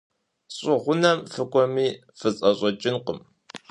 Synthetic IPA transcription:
ɕʼʊʁʷʊnɐmfɨkʷʼɔmiː | fɨt͡sʼɐɕʷʼɔt͡ʃʼɪnqəm

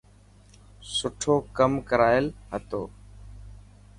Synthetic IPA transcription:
sʊʈʰoːkəmkəɾaːɪlɦət̪o̰ː

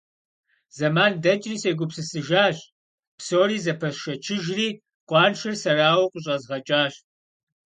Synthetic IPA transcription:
zɐmaːndɐt͡ʃʼriːseːɡʷʊpsɨsɨʒaːɕ | psoːriːzɐpʰɐsʃɐt͡ʃʰɪʒriː | qʷʼɑːnʃɐrsɐraːwɐqʷʼʊɕ̬ʼɐzʁɐt͡ʃʼaːɕʼ

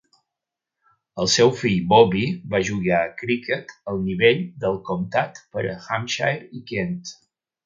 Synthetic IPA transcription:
əlˠsɛwfiʎbɔβibaʒuɣaəkɾikət̪əlˠniβeʎd̪əlˠkumt̪at̪pəɾə̰xamʃa̰jɾikent̪

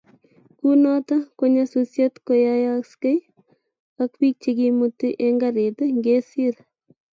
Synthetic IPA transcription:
kunɔtakoɲasosjetkojajakskej | ak̚pik̚t͡ʃekimutiʔeŋɡaɾet̪eŋɡesiɾ

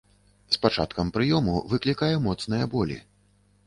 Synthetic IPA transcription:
spat͡ʂat̪kɐmpɾɨjɔmṵvɨklʲikajɛmɔt̪snɨjɐbɔlʲḭ

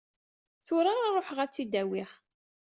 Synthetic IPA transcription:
θʊɾaɾarˤoħʁæt͡sːid̪æwɪʁ

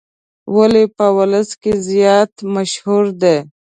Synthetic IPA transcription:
walepəwaləskezjɑːt̪maʃhuɾd̪e

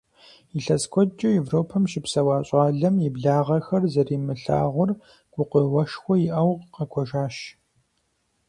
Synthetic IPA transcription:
iɬɐskʷʰɔt͡ʃʼɪevroːpʰɐmʃɪpsɐwaːɕʼɑːɮɐmjɪbɮaːʁɐxɐrzɐriːmɨɬa̰ːʁʷʊr | ɡ̥ʷʊqəwɐʃxʷɔjɪʔɐwʁqɐkʷʰɔʒaːʃ

